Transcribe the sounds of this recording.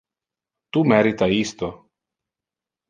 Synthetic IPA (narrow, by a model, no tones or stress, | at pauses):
t̪umɛɾit̪aist̪ɔ